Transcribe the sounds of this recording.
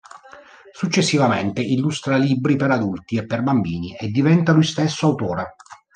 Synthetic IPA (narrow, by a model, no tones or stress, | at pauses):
sut͡ʃːesːivament̪eilːust̪ɾalibɾipeɾad̪ult̪iepːerbambiːniʔed̪ːivɛnt̪alujst̪esːoawt̪ɔːɾa